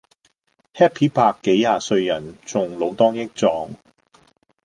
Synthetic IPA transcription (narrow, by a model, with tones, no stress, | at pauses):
hɛː˥pʰiː˨˥paː˧kːe˨˥jːaː˨˧sɵ˧ɥjɐ˨˩nt͡sʊ˨ŋlo˨˧wt̪ɔː˥ŋjɪ˥k̚t͡sɔː˧ŋ